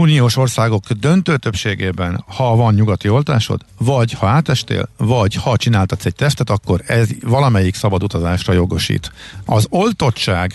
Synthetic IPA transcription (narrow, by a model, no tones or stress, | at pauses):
unijoːʃo̞rsaːɡo̞ɡ̥d̪ø̞nt̪øːt̪øpʃeːɡeːbɛnhɒvɒnɲuɡɒt̪io̞lt̪a̰ːʃo̞̰d̪vɒɟhɒaːt̪ɛʃt̪ḛːlvɒɟhɒt͡ʃinaːlt̪ɒt̪sɛɟ̚t̪ɛft̪ɛt̪ɒkːo̞ɾɛzvɒlɒmɛjiksɒbɒd̪ut̪ɒzaːʃrɒjo̞ɡo̞ʃḭːt̪ɒzo̞lt̪o̞t̪t͡ʃaːɡ